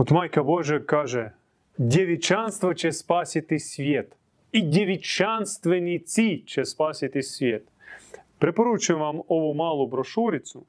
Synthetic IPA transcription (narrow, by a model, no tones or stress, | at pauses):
ɔt̪mɑjkɐbɔʒɛkɑʒɛ | dʲeʋʲit͡ʃɑnst̪ʋɔt͡ʃɛspɑsʲɪt̪ɪsʲʋʲɛt̪ | idʲeʋʲit͡ʃɑnst̪ʋenʲit͡sʲit͡ʃɛspɑsʲɪt̪ɪsʲʋʲɛt̪ | pɾepɔɾut͡ʃʋɑmɔʋɔmɑlˠʊbɾɔʃuɾʲɪt͡sʲʊ